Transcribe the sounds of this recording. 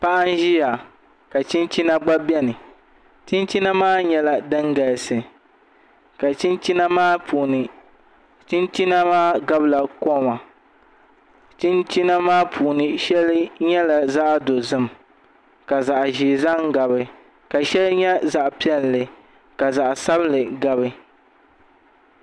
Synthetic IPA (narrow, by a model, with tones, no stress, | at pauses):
pa˦ʔa˦n˦ʒi˦ja˨ | ka˨t͡ʃi˦nt͡ʃi˦na˦ɡ͡ba˦bɛ˦nɨ˨ | t͡ʃɪ˦nt͡ʃi˦na˦maː˦ɲɛ˦la˨dɨ˦ŋɡa˨lsɨ˨ | ka˨t͡ʃi˦nt͡ʃi˦na˦maː˦pʰuː˨nɨ˨ | t͡ʃi˦nt͡ʃi˦na˦maː˦ɡa˦bla˨ko˦˨ma˨ | t͡ʃɪ˦nt͡ʃi˦na˦maː˦pʰuː˨nɨ˨ʃɛ˦lɨ˦ɲɛ˦la˨za˦ʔdo˨zɨ˦m | ka˨za˨ʔʒi˨za˦ŋ˦ɡa˨bɨ˦ | ka˨ʃɛ˦lɲɛ˦za˨ʔpi˦ɛ˦llɨ˨ | ka˨za˨ʔsa˦blɨ˨ɡa˦βɨ˦